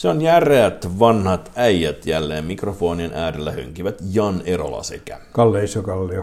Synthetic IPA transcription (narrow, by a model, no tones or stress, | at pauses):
seonjæreæt̪ʋɑnhɑt̪æjjːæt̪jælːeːmmikrofo̞ːninʔæːdelːæhø̰ŋk̟iʋæt̪jɑneɾo̞̰lɑ̰sekæ̰kɑlːeisokɑlːeo